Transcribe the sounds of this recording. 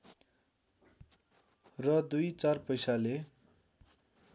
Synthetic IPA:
rʌd̪ujt͡sarpʌjsale

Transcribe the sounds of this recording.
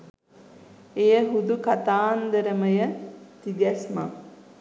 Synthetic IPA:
ejəɦud̪ukat̪aːnd̪əɾəməjət̪iɡɛsma̰

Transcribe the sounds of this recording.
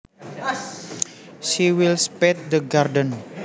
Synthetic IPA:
ʃiwilspɛt̪̚d̪əɡardən

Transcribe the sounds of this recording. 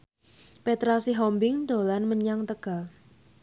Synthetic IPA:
pet̪ɾasiɦɔmbɪŋd̪o̤lanməɲaŋt̪əɡ̥a̤l

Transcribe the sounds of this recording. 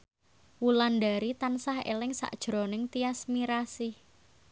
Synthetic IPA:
wulandaɾit̪ansaɦḛlɪŋsa̰ʔd̥ʒ̥ɾonɪŋt̪iasmiɾasɪh

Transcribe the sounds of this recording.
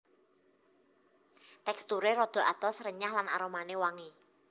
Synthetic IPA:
t̪ɛkst̪uɾeɾɔd̪̥ɔ̤ʔat̪ɔsrəɲahlana̰ɾomanewaŋi

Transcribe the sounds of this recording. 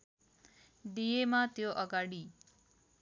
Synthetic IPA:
ɖijemat̪joʔʌɡaɽi

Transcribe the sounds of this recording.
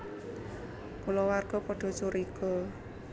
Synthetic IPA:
kulɔwarɡ̥ɔpɔɖ̥ɔ̤t͡ʃuɾiɡ̥ɔ̤

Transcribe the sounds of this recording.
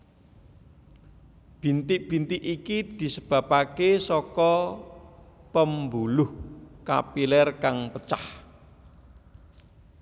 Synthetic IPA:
b̥int̪ɪʔ̚b̥i̤nt̪ɪʔikid̪̥i̤səb̥a̤pakesɔkɔ | pəmbulʊhka̰pilɛrkaŋpət͡ʃah

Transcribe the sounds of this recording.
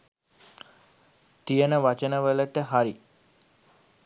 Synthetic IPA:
t̪ijənəʋat͡ʃənəʋələt̪əɦaɾi

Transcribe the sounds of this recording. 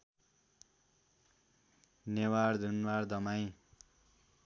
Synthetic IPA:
newaɽd̪ʱunwaɾd̪ʌmaj̃

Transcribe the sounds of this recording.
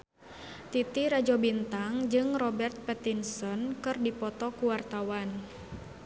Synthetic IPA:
t̪it̪iɾad͡ʒɔbint̪aŋd͡ʒɨŋrɔbɛrt̪̚pɛt̪insɔnkɨrdipɔt̪ɔkuwart̪awan

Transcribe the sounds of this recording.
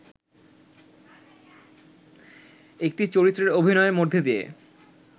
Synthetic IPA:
ek̚ʈit͡ɕoɾit̪ːɾeɾobʱinɔemod̪ʱːed̪iḛ

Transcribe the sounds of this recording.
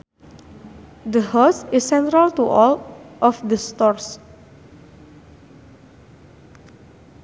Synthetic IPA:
d̪əhɔsisːɛ̃nt̪ɾalt̪uʔɔlʔɔfd̪əst̪ɔrs

